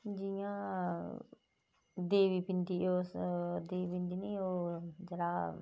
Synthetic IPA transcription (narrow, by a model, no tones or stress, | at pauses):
d͡ʒijãː | d̪eːʋiːpɪnd̪iːoːd̪eːibɪnd̪iːniːoːd͡ʒəɽaː